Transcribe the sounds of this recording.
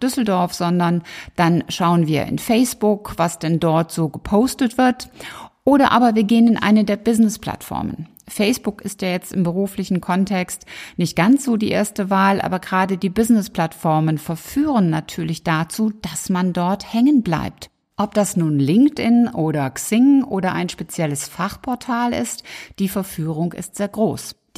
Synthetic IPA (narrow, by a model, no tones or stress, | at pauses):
d̥ʏsl̩dɔɐfz̥ɔndɐnd̥anʃaʊənviːɐʔɪ̰nfɛɪsb̥ʊkv̥asd̥ɛndɔɐtz̥oːɡəpʰoʊstətv̥ɪɐtʔoːɾɐʔa̰ːbɐviːɐɡeːənɪnʔa̰ɪnədeːɐbɪznɪspl̥a̰tfɔ̰ɐmə̰n | fɛɪsb̥ʊkɪstjaːjɛt͡stɪmbəʁ̞uːflɪçn̩kʰɔntʰɛkstnɪçt̚ɡ̥ant͡sz̥oːdiːʔḛːɐstəvaːlʔa̰ːbɐɡʁaːdədiːbɪznɪspl̥atfɔɐmənfɛɐfyːʁənːatʰyːɐlɪçd̥at͡suːd̥asmandɔɐthɛŋənbla̰ɪp̚t | ʔɔp̚d̥asnuːnlɪŋktɪnʔoːɾɐksɪŋʔoːdɐʔa̰ɪnʃpet͡sjɛləsfaχpʰɔɐtʰaːlɪ̰std̥iːfɛɐfyːʁ̞ʊŋɪ̰stz̥eːɐɡʁoːs